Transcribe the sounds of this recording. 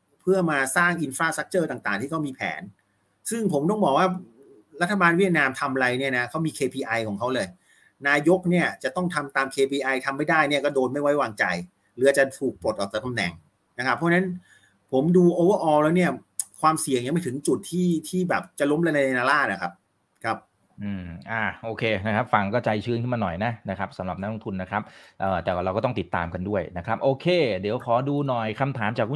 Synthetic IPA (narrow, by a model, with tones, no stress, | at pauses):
pʰɯ˥˩ɐmaː˧saː˥˩ŋʔi˧nfɾaː˧˥sa˦˥k̚t͡ɕɤː˥˩t̪aː˨˩ŋt̪aː˨˩ŋt̪ʰiː˥˩kʰa˦˥wmiː˧pʰɛ̰ː˩˦n | sɯ˥˩ŋpʰo˩˦mt̪ɔ˥˩ŋbɔː˨˩k̚waː˥˩ | ɾa˦˥t̪ʰːa˧baː˧nwi˥˩t̪̚naː˧mt̪ʰa˧m˧ɾa˧jni˥˩ɐna˦˥kʰa˦˥wmiː˧kʰeː˧pʰiː˧ʔa˧jkʰɔː˩˦ŋkʰa˦˥wlɤː˧j | naː˧jo˦˥k̚ni˥˩ɐt͡ɕa˨˩t̪ɔ˥˩ŋt̪ʰa˧mt̪aː˧mkʰeː˧pʰiː˧ʔa˧jt̪ʰa˧mːa˥˩jdaː˥˩jni˥˩ɐkɔː˥˩doː˧nma˥˩jwa˦˥jwaː˧ŋt͡ɕa˧j | lɯː˩˦˥a˧˩t͡ɕa˧˩t̪ʰuː˨˩k̚po˨˩t̪ʔɔː˨˩t͡ɕa˨˧˩t̪a˧mnɛ̰˨˩ŋ | na˦˥kʰpʰːɔ˦˥t͡ɕa˧na˦˥n | pʰo˩˦mduː˧ʔoː˧wə˥˩ʔɔː˧wlɛː˦˥wni˥˩ɐ | kʰwaː˧msi˨˩əŋja˧˩˦ma˥˩jt̪ʰɯ˩˦ŋt͡ɕu˨˩t̪ʰːiː˥˩t̪ʰiː˥˩bɛː˨˩p̚t͡ɕa˨˩lo˦˥mla˧na˧jna˧naː˧laː˥˩t̪̚ʔa˨˩kʰa˦˥p̚ | kʰa˦˥p̚ | ʔɯː˧˩ʔaː˧˩ʔoː˧kʰeː˧na˦˥kʰɾa˦˥p̚fa˧ŋkɔː˥˩t͡ɕa˧jt͡ɕʰɯː˥˩˨nkʰɯ˥˩nmaː˧nɔ˨˩jna˦˥na˦˥kʰɾa˦˥p̚sa˨˦ɾa˨˩p̚n̚˦˥lo˧ŋt̪ʰu˧nːa˦˥kʰɾa˦˥p̚ʔɤː˨˩t̪ɛː˨˩kɾa˧wkɔː˥˩t̪ɔ˥˩˨t̪i˨˩t̪ːa̰ː˧mka˧ndu˥˩əjna˦kʰɾa˦˥p̚ʔoː˧kʰeː˧di˩˦wkʰɔː˨˩˦duː˧nɔ˨˩jkʰa˧mt̪ʰaː˩˦mt͡ɕaː˨˩k̚ʰːu˥˩